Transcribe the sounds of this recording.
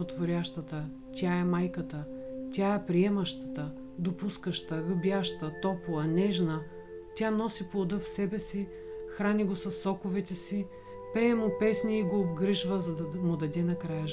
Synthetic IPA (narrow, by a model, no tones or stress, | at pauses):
ot̪vʊɾʲaʃt̪ət̪ə | t̪ʲaɛmajkət̪ə | t̪ʲaɛpɾiɛmɐʃt̪ət̪ə | d̪opuskəʃt̪əɡəbjaʃt̪ət̪ɔpoɐnɛʒnə | t̪ʲanɔsiplˠod̪ɤfsɛbɛsi | xɾanʲiɡosɐsːɔkʊvɛt̪ɛsi | pɛːmʊpɛsnʲiːɡoːbɡɾiʒvəzɐd̪ɐmʊd̪ɐd̪ɛnɐkɾajə